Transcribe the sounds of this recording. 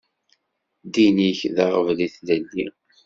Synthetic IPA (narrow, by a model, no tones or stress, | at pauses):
d̪iniçðɑʁəvliθləlːi